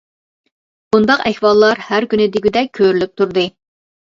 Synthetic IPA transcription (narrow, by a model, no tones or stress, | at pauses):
bund̪ɑqɛhwɑlˠːɑɾhæɾkʲynɪd̪ɪɡʲyd̪ɛk̚ʲkʲʰøɾylyp̚t̪ʰuɾd̪ɨ